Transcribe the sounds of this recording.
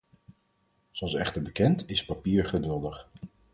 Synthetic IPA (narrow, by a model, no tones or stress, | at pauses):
z̥oɑlˠsɛ̰χtəɹbəkɛntɪspapiːɹχədʏlˠdəχ